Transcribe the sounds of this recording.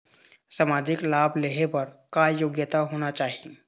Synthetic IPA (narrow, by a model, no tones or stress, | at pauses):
samaːd͡ʒɪklaːbʱleːɦepɐɾkajoːɡjət̪aɦoːnat͡ʃaːɦi